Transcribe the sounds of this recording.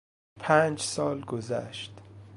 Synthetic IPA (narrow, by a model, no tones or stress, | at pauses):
pʰæːnd͡ʒsɒːlɡozæ̰ʃt̪